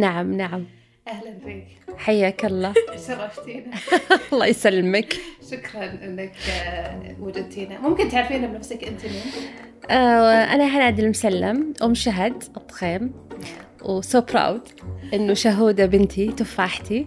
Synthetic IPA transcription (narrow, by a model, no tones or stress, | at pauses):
naʕamnaʕam | ʔahlanfiːkħajːaːkɑlˤːɑːsɑrˤːɑft̪iːnalˤːɑːjsalːɪmakʃʊkɾˤɑnʔɪnːak | wad͡ʒɪd̪̚t̪iːnamʊmkɪnt̪ʕaɾfiːnabnafsakʔɪnt̪imuːm | ʔaʔa̰naħanʕad̪ɪlmʊsalːɪmʔʊmʃaɦad̪ʔt̪ˤːxeːm | wsoːpɾˤa̰wd̪ʔɪnːʊʃʊɦuːd̪abɪnt̪ʰit̪ʊfaħt̪i